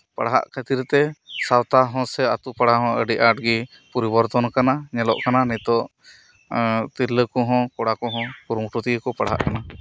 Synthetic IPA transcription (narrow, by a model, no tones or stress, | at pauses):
pa̰ɽɦa̰ʔkʰət̪iɾt̪ɛsawt̪aɦɔ̃sɛat̪upaɽaɦɔ̃əɖiʔaʈ̚ɡi | pɔɾibɔɾt̪ɔnkanaɲɛlɔ̰ʔkananɛt̪ɔʔ | t̪iɾləkɔɦɔ̃kɔɽakɔɦɔ̃puɾmuʈut̪iɡəkɔpaɽɦa̰ʔkana